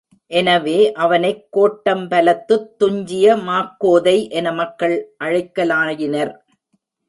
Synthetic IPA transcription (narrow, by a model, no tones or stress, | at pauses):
ʔɛnɐʋeːʔɐʋɐnɐɪkːoːʈːɐmpɐlɐt̪ːɯt̪ːʊɲd͡ʒɪjɐmaːkːoːðɐɪʔɛnɐmɐkːɐɭʔɐɻɐɪkːɐlaːjɪnɐɾ